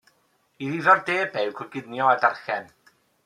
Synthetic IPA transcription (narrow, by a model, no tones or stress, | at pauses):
iðiðɔrdeːbɛwkʰʊɡɪdnjɔɛdarxɛn